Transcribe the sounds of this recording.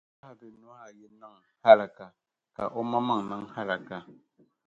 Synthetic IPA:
a˦a˨bɨ˨nu˨˦a˦˨jɛ˨na˦˨ŋ | ha˦la˨ka˨ | ka̰˨ʔɔ˦ma˦ma˦˨ŋ˨ma˦ŋ˦ha˦la˨ka˨

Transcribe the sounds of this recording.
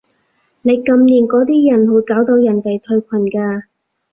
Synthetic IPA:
ne˨˧jkɐ˧mniː˨˩nkɔː˨˧˥t̪iː˥jɐ˨˩nhuː˨˥t̚kaː˨˥wt̪o˧wjɐ˨˩nt̪e˨jt̪ʰɵ˧ɥkʷʰɐ˨˩nkaː˧

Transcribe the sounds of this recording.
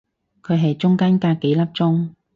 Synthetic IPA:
kʰɵ˨˧ɥɦɐ˨jt͡ʃʊ˥ŋkaː˥nkaː˧ke˨˥jlɐ˥p̚t͡sʊ˥ŋ

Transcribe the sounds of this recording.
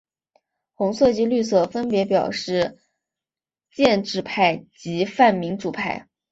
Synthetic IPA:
xʊ˧˥ŋsɤ˥˧t͡ɕi˥ly˥˧s̬ɤ˥˩fə˥npjɛ˧˥pjɑ˨˩ʊʂɻ̩˥˩ | t͡ɕjɛ˥˧nʈ͡ʂɻ̩˥˧pʰa˥˩ɪt͡ɕi˧˥fa˥˩nmi˧˥ŋʈ͡ʂu˨˩pʰa˥˩ɪ

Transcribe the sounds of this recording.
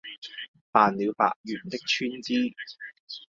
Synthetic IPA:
paː˨nliː˨˧wpa̰ː˨k̚jyː˨˩nt̪ɪ˥k̚t͡ʃʰyː˥nt͡siː˥

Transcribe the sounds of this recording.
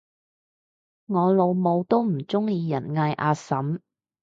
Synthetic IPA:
ŋɔː˨˧lo˨˧wmo˨˧wt̪o˥wm̩˨˩t͡sʊ˥ŋjiː˧jɐ˨˩nŋaː˧jʔaː˧sɐ˨˥m

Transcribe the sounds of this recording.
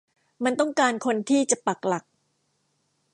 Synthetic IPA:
ma˧nt̪ɔ˥˩ŋkaː˧nkʰo˧nt̪ʰiː˥˩t͡ɕa˨˩ʔpa˨˩k̚la˨˩k̚

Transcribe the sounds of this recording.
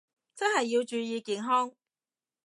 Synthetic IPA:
t͡sɐ˥nhɐ˨jːi˧wt͡ʃyː˧jiː˧kiː˨nɦɔː˥ŋ

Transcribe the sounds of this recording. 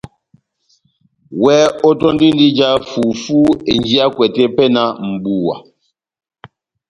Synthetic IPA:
wɛ˦ɔ˦tɔ˦n˦di˦n˦di˦d͡ʒa˦fu˨fu˦e˨nd͡ʒi˦a˦kwɛ˨tɛ˦pɛ˦na˦m̩˨bu˨wa̰˨

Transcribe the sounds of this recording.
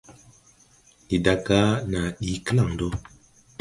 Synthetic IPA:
i˨da˨ka˦na˨ɗi˨˦kə˦la˨ŋdo˦

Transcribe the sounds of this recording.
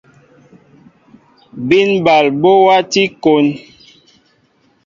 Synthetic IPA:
bi˦nba˨lbo˦wa˦ti˦ko˨˦n

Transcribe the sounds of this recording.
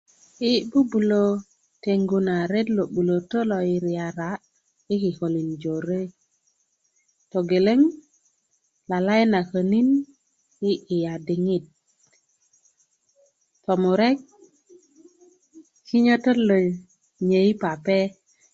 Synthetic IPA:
i˦bu˦bu˨lo˦ | te˨ŋɡu˨na˨ɾe˦tlo˨ɓu˨lo˨to˦lo˨i˨ɾi˨ja˨ɾa˨ | i˦ki˨ko˨li˨nd͡ʒo˨ɾe˦ | to˨ɡe˨le˦ŋ | la˨la˦jna˨kə˨ni˦n | i˦ʔi˨ja˨di˨ŋi˦t̚ | to˨mu˨ɾe˦k̚ | ki˦ɲo˦to˦lo˨j | ɲe˨i˦pa˨pe˦

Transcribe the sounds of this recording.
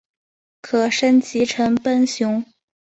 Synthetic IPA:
kʰɤ˨˩ʂə˥nt͡ɕi˧˥ʈ͡ʂʰɤ˧˥ŋpə˥nɕjʊ˧˥ŋ

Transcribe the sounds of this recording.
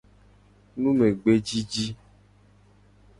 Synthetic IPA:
nũ˦me˨ɡ͡be˦d͡ʒi˦d͡ʒi˦

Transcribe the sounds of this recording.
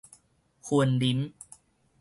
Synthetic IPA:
kʰu˧əndi˦˥n

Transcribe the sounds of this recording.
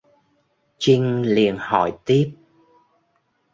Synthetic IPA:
t͡ɕi˧ŋ̟li˨˩ənhɔ̰˧˩jt̪i˦˥p̚

